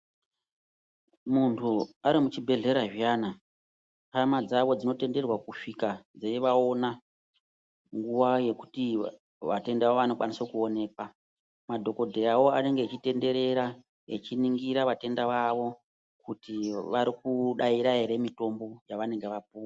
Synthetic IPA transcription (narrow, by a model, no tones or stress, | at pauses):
muntʰuaɾimut͡ʃibʱe̞ɮe̞ɾaʐiaːna | hamad͡zaʋo̞d͡zino̞te̞nde̞rwakuʂikad͡zeiʋao̞na | ŋɡuʋaje̞ku̥ti | ʋate̞ndaʋaoʋano̞kwanisokuo̞ne̞ːkwa | madʱo̞ko̞dʱeawo̞ane̞ŋɡeːt͡ʃite̞nde̞ɾe̞ɾa | ḛt͡ʃiniŋɡiɾaʋate̞ndaʋaʋo̞ | kutiʋaɾikuɗaiɾaɦe̞ɾe̞mito̞mbo̞jaʋane̞ŋɡe̞ʋap̚uːwa